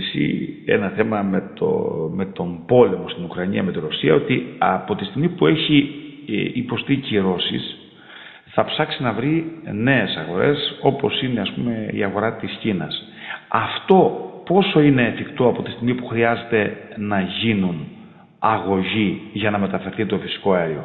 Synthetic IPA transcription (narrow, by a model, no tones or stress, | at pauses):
sḭe̞̰nɐθe̞mɐmet̪o̰me̞t̪o̞mbo̞le̞mo̞st̪inukɾɐɲiɐme̞t̪iɾosiɐo̞t̪iɐpo̞t̪ist̪iɣmipue̞çi | ipo̞st̪iciɾo̞sḭs | θɐpsɐksinɐvɾine̞esɐɣo̞ɾe̞so̞po̞sine̞ɐspume̞ḭɐɣo̞ɾɐt̪iscinɐs | ɐft̪o̞po̞so̞ine̞ːfikt̪o̞ɐpo̞t̪i̥st̪iɣmipuxɾiɐze̞t̪e̞nɐʝinun | ɐɣo̞ʝiʝɐnɐme̞t̪ɐfe̞ɾθit̪o̞fisi̥ko̞ɐeɾio̞